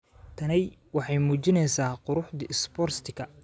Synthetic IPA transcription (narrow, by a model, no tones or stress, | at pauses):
t̪ʰɐnɛjwɑħɑjmuːt͡ʃɪnɛjsaːqʊɾʊħd̪ɪɪspɔrst̪ʰɪkʰɐ